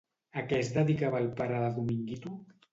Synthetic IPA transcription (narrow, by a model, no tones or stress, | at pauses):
akɛzd̪əðikaβaːlpaɾaðaɣumiŋɡit̪u